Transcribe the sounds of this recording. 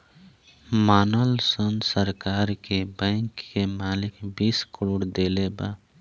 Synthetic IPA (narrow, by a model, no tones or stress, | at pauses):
maːnəlsənsəɾkaːɾkebə̃ɪŋkːemaːlɪkbiːskəɾoːɽd̪eleba̰